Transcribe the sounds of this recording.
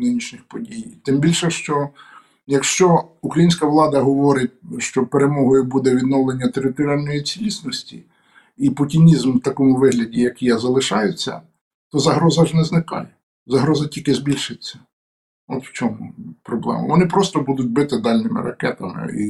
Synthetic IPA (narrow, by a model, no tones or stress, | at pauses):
nɪnʲiʃnʲixpɔdʲijt̪ɪmbʲilʲʃɛʃt͡ʃɔ | jɐkʃt͡ʃɔukɾɐjinʲsʲkɐʋlˠɑd̪ɐɦɔʋɔɾɪt̚ʲʃt͡ʃɔpeɾemɔɦɔjʊbud̪ɛʋʲid̪nɔʋlˠenʲːɐt̪eɾɪt̪ɔɾʲɑlʲnɔjit͡sʲilʲisʲnɔsʲtʲi | ipʊtʲinʲizmwt̪ɐkɔmʊʋɪɦlʲɐdʲijɐkijɐzɐlˠɪʃɑjʊt͡sʲːɐ̰ | t̪ɔzɐɦɾɔzɐʒnɛznɪkɑ̰j | zɐɦɾɔzɐtʲilʲkɪzbʲilʲʃɪt͡sʲːɐ̥ | ɔt̪w̥t͡ʃʲɔmupɾɔblˠɛ̰mɐ̰ʋɔnɪpɾɔst̪ɔbud̪ʊt̚ʲbɪt̪ɪd̪ɑlʲnɪmɪ̰ɾɐkɛt̪ɐmɪ̰ḭ